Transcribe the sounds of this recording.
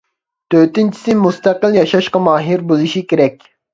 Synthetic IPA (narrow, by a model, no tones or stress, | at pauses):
t̪ʰøt̪ɪnt͡ʃʰi̥sɪmust̪æqəlˠjɑʃɑʃqɑmɑːɦiɾbolˠuʃikʲeɾɛkʲ